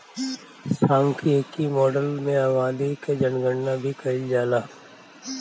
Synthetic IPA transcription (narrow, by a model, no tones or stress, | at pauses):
sãːŋkʰiəkimɔːɖəlmẽaːʋãːd̪iked͡ʒɐnɡəɳnabʱikɐid͡ʒaːlaː